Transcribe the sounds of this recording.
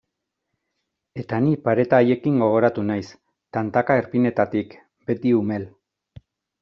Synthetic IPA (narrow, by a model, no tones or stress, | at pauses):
e̞t̪anipaɾe̞t̪aːje̞kiŋɡo̞ɣ̞o̞ɾat̪unajs | t̪ant̪akaeɾpine̞t̪at̪ik | be̞t̪iume̞l